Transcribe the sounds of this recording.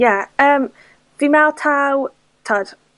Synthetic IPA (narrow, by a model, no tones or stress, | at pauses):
jaəːm | vimɛlˠtʰaw | tʰɔd̥